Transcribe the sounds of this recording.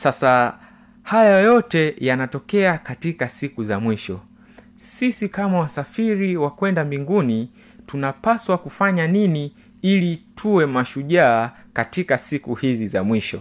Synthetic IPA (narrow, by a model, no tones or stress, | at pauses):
sasa | hajajɔtɛjanatɔkɛakatikasikuzamwiʃɔ | sisikamawasafiɾiwakwɛndambiŋɡuni | tunapaswakufaɲanini | ilitʰuwɛmaʃuʄaːkatikasikuhizizamwiʃɔ̰